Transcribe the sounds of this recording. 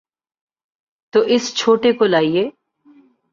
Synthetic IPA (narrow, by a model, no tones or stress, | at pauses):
t̪oʔɪst͡ʃʰoːʈekolaːieː